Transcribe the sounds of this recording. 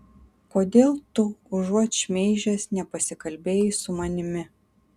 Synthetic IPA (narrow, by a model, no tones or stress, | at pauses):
koːd̪ʲeːlˠt̪ʊʊʒuɔt͡ʃmʲeɪʒʲɛsnʲɛpɐsʲɪkɐlʲbʲeːjɪsʊmɐnʲɪmʲɪ